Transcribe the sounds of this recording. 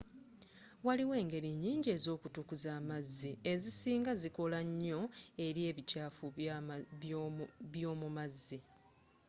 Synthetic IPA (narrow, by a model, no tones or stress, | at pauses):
waliwe̞ːŋɡe̞ɾiɲːiːɲɟie̞zo̞ːkutukuzaːmazːie̞zisiːŋɡaziko̞laɲːo̞e̞ɾje̞ːβicaːfu | βjoːmumazːi